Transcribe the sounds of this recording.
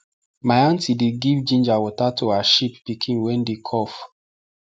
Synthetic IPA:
maɪãntideɡivd͡ʒĩnd͡ʒawɔtatʰoaʃipːikʰĩnwɛ̃ndekʰɔf

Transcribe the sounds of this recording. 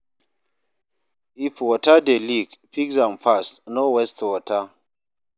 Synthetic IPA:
ifwɔtadeliɡpikzampʰasnɔwɛstwɔtʰa

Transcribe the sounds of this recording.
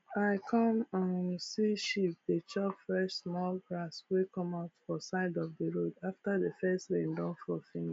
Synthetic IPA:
aɪkʰɔ̃mãnsiʃip̚det͡ʃɔpfɹɛʃsmɔlbɹaswekʰɔ̃maʊtfɔsaɪdɔvdəɹodaftaðəfɛstɹẽndɔ̃nfɔfĩni

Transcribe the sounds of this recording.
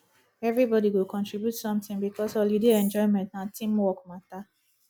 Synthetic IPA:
ɛvɾibɔdiɡokʰɔ̃ntɹibjutsɔ̃mtɪ̃ŋbikɔsɔlidiɛ̃nd͡ʒɔɪ̃mɛ̃ntnatĩmwɔkmata

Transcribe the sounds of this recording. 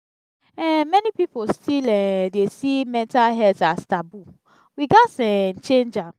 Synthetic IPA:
ɛmɛnipipostʰilɛdesimɛ̃ntalɦɛltastabu | wiɡatɛn̩t͡ʃẽnd͡ʒa

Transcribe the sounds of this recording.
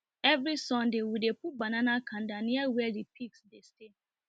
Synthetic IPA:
ɛvɹisɔ̃ndewidepubananakʰãndaniawɛadipʰiksdeste

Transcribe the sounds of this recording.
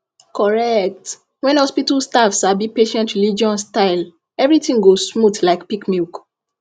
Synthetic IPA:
kʰɔɹɛk̚t | wɛ̃nhɔspitalstafsabipeʃɛ̃ntɹilid͡ʒiɔ̃nstaɪl | ɛvɹitĩŋɡosmutlaɪkpikmilk

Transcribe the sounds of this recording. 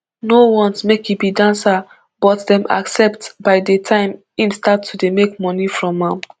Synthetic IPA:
nowɔ̃nsmekjibidãnsa | b̥ɔtdɛ̃mʔa̰ksɛp̚tbaɪdətʰãɪ̃m | ĩmstatʰːudemekmɔnifɹɔ̃mãm

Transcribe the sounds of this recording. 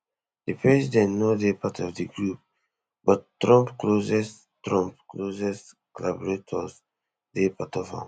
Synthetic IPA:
dipʰɹɛzidɛ̃ntnoðepʰatʰɔvdiɡɹup̚ | bɔttːɹɔ̃mpklozɛs | tɹɔ̃mpklozɛs | klabɹetʰɔs | depʰatɔvã̰m

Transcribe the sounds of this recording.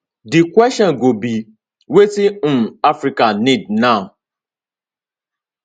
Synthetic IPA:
dikʷɛʃɔnɡobi | wetimafɾikanidnaʊ

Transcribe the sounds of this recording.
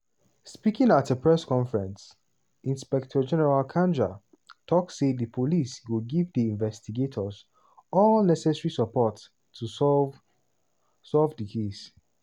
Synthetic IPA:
spikɪ̃ŋatəpʰɹɛskɔ̃ɱfɛɹɛ̃ns | ĩnspɛk̚tʰɔd͡ʒɛnɛɹalkʰãnd͡ʒa̰ | tʰɔksedəpʰoliswɪlɡivdiĩnvɛstiɡetʰɔz | ɔlnɛsɛsɹisəpɔtʰː | u | sɔlvdikʰes

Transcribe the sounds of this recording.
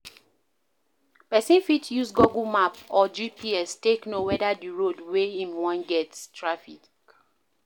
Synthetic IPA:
pɛsĩnfitʰjusɡɔɡumapɔd͡ʒipʰiɛsteknowɛdadiɹodweĩmwãnɡɛtstɹafḭk

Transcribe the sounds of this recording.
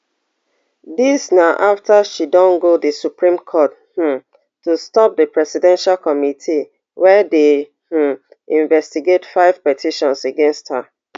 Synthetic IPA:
disnaʔaftaʃidɔ̃nɡodəsupɹĩmkʰɔt | h̩ | tustɔp̚dəpɹɛsidɛ̃nʃalkɔmitʰi | wɛde | h̩ | ĩɱvɛstiɡetfaɪv̥pɛtʰiʃɔ̃nseɡɛ̃nstha

